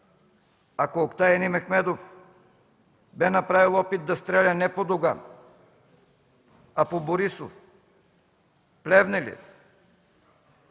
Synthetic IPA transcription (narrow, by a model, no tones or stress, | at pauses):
akoːkt̪ajɛnimɛxmɛd̪of | bɛnɐpɾavilˠɔpit̪̚d̪ɐst̪ɾɛlʲanɛpod̪oɡa | apoboɾiso̰f | plɛvnɛlʲḭt̪